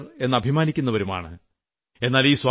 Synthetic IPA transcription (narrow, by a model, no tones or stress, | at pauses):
re̞nːɨɐbʱimaːnikʲːunːɐʋɐɾuma̰ːɳɨ̰ | e̞nːaːliːswaː